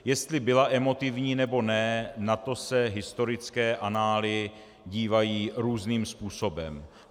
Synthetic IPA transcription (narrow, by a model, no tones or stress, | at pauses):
jɛst̪lɪbɪlaʔɛmo̞t̪ɪvɲiːnɛbo̞nɛnat̪o̞sɛɦɪst̪o̞ɾɪt͡skɛːʔanaːlɪ | ɟiːvajiːɾuːzniːmspuːso̞bɛ̰m